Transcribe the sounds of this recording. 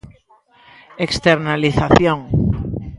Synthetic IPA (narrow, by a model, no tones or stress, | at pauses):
ekst̪eɾnaliθaθjoŋ